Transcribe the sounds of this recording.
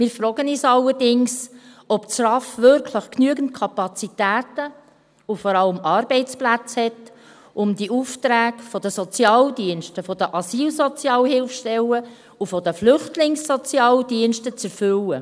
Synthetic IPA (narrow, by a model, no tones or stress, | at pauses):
mɪːɾfɾɔːɡ̥əniːsɑlːəɾdɪŋs | ɔpsrɑfʋʏɾkʰləχknyəɡən̩t̚kʰɑpɑt͡sitæːtə | ufɔɾɑləmɑːɾb̥ɛɪt͡splæt͡shɛt | ʊmd̪iʔuft̪ɾæːɡfɔd̪əsɔt͡sjɑːldiənʃtəfɔd̥̪əʔɑsiːlsɔt͡sjɑːlɦɪlfʃtɛlə | ufɔd̥̪əflʏχtlɪŋsːɔt͡sjɑːldiənʃtət͡sɛɾfʏlə